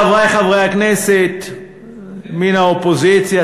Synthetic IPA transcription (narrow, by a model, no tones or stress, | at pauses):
avʁajχavʁejakneset̪ | minaopozit͡sja